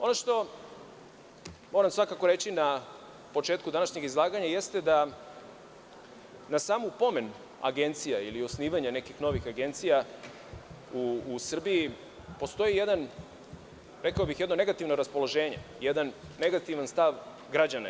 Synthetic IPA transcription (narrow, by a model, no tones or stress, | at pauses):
o̞noʃt̪o̞ | mo̞ːɾamsʋakako̞ɾe̞t͡ɕina | po̞t͡ʃe̞ːt̪kud̪anaʃɲe̞ɡizlˠaːɡaɲaje̞st̪e̞d̪a | nasaːmupo̞me̞n | a̰ɡe̞nt̪sijailio̞sniːʋaɲane̞kixno̞ʋixaɡe̞nt̪sija | uːsr̩bii | po̞st̪o̞jije̞d̪an | ɾe̞kaobixjed̪no̞neɡat̪iʋno̞ɾaspo̞lˠo̞ʒe̞ːɲe̞̰jed̪anːe̞ɡat̪iʋanst̪aʋ | ɡɾad͡ʑanḛ